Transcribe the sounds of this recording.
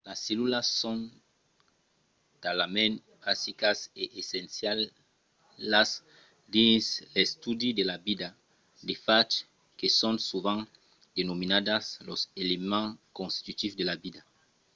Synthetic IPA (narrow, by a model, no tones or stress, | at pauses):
lasːelulasːõn | t̪alamẽn | basikaseʔesẽnsjal | as | d̪insest̪ud̪id̪elabid̪a | d̪efat͡ʃ | kesõnsuβãŋ | d̪enominad̪asloselemãŋkõnst̪i̥t̪ut̪ifd̪elabid̪a